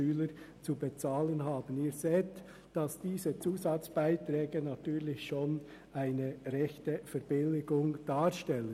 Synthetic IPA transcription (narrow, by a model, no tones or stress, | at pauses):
yːləɾ | t͡subet͡sɑːlənɦɑːbəniːɾzeːt | d̥ɑsd̥iːzət͡suːzɑt͡sb̥aɪtɾɛːɡənɑtyːʁlɪçʃoːn | ʔaɪnəɾɛçtəfɛɾb̥ɪlɪɡʊŋd̥ɑːɾʃtɛlən